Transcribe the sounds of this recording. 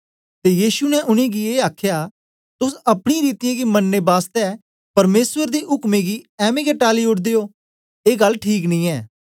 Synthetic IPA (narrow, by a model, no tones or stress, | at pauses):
t̪ejiːʃunɛʔʊñẽɡieːaːkʰjaː | t̪ʊsɐpɽ̃ĩɾiːt̪ɪjãɡimɐnːebaːst̪ɛ | pɐɾmeːsʋəɾd̪eɦʊkmẽɡiɛːmiɡeʈaːliʊʈd̪eːoː | eːɡɐlːʈʰiːknĩːɛː